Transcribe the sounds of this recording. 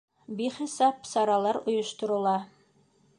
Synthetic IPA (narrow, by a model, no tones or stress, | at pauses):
biχisɑpsɑɾɑlˠɑɾŏjŏʃt̪ŏɾŏlˠɑ